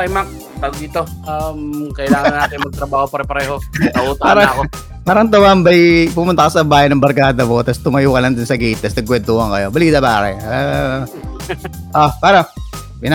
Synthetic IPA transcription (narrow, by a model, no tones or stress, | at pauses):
t̪ɐjmak̚ | t̪ɐɡd̪it̪oʔamkɐʔɪlaːŋɐnaːt̪ɪnmɐɡ̚t̪ɾɐbaːhopɐɾpɐɾɛːɦo̞kɐʔuːt̪ɐpaːɾɐŋako | paːɾɐŋt̪ɐmambɐjpʊmʊnt̪ɐkosɐbaːjɐjnɐŋbɐɾkaːd̪ɐmot̪ɐst̪ʊmɐjuːkɐlɐŋd̪ʊnsɐɡiːt̪ɐsd̪ɐɡʊwɛd̪̚t̪uːhɐŋkɐjo̞bɐliːt̪ɐpaːɾɐ̰ | ʔopaːɾɐŋ | pɪn